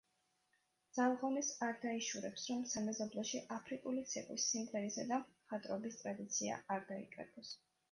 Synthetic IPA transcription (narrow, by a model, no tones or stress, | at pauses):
d̪z̥alˠʁɔnisaɾd̪aiʃuɾɛpsɾɔmsamɛzɔblˠɛʃiʔapʰɾikʼulit̪sʰiqʼwḭsːimɡ̪ɛnisad̪aχat̪ʼɾɔbist̪ʼɾad̪it̪sʰia̰aɾd̪aḭkʼɛ̰ɡɔs